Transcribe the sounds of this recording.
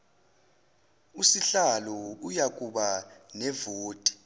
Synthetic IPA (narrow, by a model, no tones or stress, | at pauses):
usiɬalɔujakʼuɓanɛvoːtʼi̥